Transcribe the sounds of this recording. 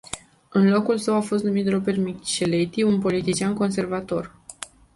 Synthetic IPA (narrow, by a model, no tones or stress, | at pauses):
ɨnlo̞kulsəwafo̞s̬t̪numit̪ropermikt͡ʃelet̪iunpo̞lit̪it͡ʃianko̞ns̬e̞rvat̪o̞r